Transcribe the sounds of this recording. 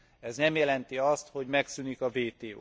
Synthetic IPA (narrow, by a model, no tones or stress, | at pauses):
ɛznɛmjɛlɛnt̪iɒst̪ho̞ɟmɛksynikɒveːt̪eː